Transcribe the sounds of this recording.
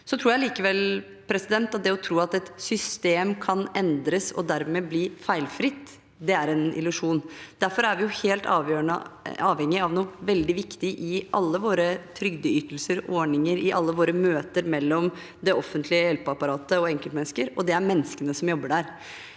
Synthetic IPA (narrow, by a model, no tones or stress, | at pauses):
sɔt̪ʰɾuːjæɪliːkəʋɛl | pʰɾɛsɪd̪ɛnt̪ɑt̪̚d̪ɛɔt̪ʰɾuːɑt̪ɛt̪sʏst̪eːmkʰɑnɛnd̪ɾəsɔ̰d̪æɾmɛːbliːfæɪlfɾɪt̪ː | d̪ɛæɾɛnʔɪ̰lʉʂuːnd̪̥æɾfɔɾæɾʋɪjʊheːlt̪ɑ̰ːʋjøːɳə̰ɑːʋhɛŋːɪɑʋnuːʋɛld̪ɪʋɪkt̪ɪʔɪʔɑlːəʋoːɾət̪ʰɾʏɡd̪əʏt̪əl̩səɾɔɳɪŋəɾɪʔɑlːəʋoːɾəmøːt̪əɾmɛlːɔm | d̪ɛɔfːənt̪ʰlɪəjɛlpəɑpɑɾɑːt̪əɔɛŋkəlt̪mɛnskəɾɔd̪ɛæɾmɛnːəskənəsɔmjɔbːəɖæɾ